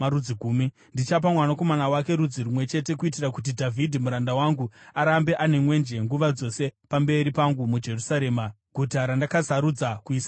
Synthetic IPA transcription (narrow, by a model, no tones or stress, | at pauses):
aɾud͡ziɡʱuːmi | ndit͡ʃap̬amwanako̞manawake̞ɾud͡ziɾumwe̞t͡ʃe̞te̞kuitirakut̬idʱavʱidʱimuɾandawaŋɡuaɾambe̞ʔane̞mwe̞nd͡ʒe̞ŋɡuʋad͡zo̞se̞pambe̞ɾipaŋɡumud͡ʒe̞rusaɾe̞ːma | ɡ̥ʱutaɾandakasaɾud͡zakuiːsa